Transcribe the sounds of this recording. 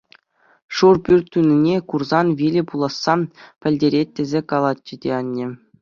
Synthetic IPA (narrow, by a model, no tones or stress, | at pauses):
ʂurpʲyrʲt̪ʲːynʲinʲekurzɑnʋʲilʲɘ̆pulˠɑsːɑpʲɘ̆lʲdʲeɾʲet̚ʲːezʲekɑlˠɑt̪̚ʲt͡ɕɘ̆dʲeɑnʲːɘ̆